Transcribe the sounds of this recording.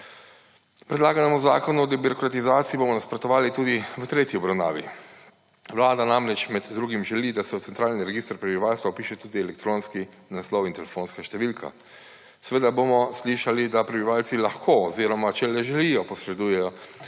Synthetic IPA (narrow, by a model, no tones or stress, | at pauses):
pɾɛd̪laːɡanɛmɔza̰ːkɔnuɔd̪ɛbiɾɔkɾat̪izaːt̪sijibomɔnaspɾɔt̪ɔʋaːlit̪uːd̪iʋət̪ɾeːt̪jiɔbɾawna̰ːʋi | ʋlaːd̪anamɾɛt͡ʃmɛd̪d̪ɾuːɡimʒɛlid̪asɛwt̪sɛnt̪ɾaːlniɾɛɡiːst̪ɾpɾɛbiʋaːlst̪ʋaupiːʃɛt̪uːd̪iɛlɛk̚t̪ɾoːnski | naslɔwint̪ɛlɛfoːnskaʃt̪ɛʋilkʰa̰ | sɛʋeːd̪abomɔsliʃalid̪apɾɛbiʋaːlt̪silaxkʰoɔziɾɔmat͡ʃɛlɛʒɛlijɔpɔsɾɛd̪uːjɛjɔ